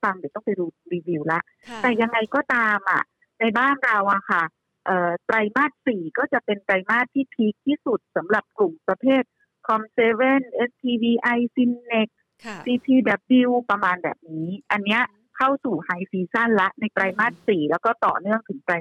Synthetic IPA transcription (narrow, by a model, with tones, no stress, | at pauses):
fa˧ŋdi˨˩t̪ɔ˥˩ŋpa˧jduː˧ɾiː˧wi˧wla˦˥ʔ | t̪ɛː˨˩ja˧ŋːa˧jkɔː˥˩t̪aː˧mʔa̰˨˩ | na˧jbaː˥˩nɾa˧wʔa˨˩kʰa˥˩ | ʔɤː˨˩t̪ɾa˧jmaː˥˩t̪̚siː˨˩kɔː˥˩t͡ɕa˨˩pe˧nt̪ɾa˧jmaː˥˩t̪ʰːiː˥˩p̪ʰi˦˥k̚t̪ʰːiː˥˩su˨˩t̪̚sa˩˦mɾa˨˩p̚klu˨˩mpɾa˧pʰeː˥˩t̪̚ | kʰɔ˧mseː˧˥we˥˩nʔe˦˥st̪ʰiː˧wiː˧ʔa˧jsi˧nːe˨˧˩k̚ | siː˧p̪ʰiː˧bɛː˨˩p̚bi˧wpɾa˧maː˧nbɛ̰ː˨˩p̚niː˦˥ʔa˧nːi˦˥ɐʔ | kʰa˥˩wsuː˨˩ha˧jfiː˧sa˥˩nla˦˥ʔna˧jt̪ɾa˧jmaː˥˩t̪̚siː˨˩lɛː˦˥wkɔː˥˩t̪ɔ̰ː˨˩nɯ˥˩əŋt̪ʰɯ˩˦ŋt̪ɾa˧j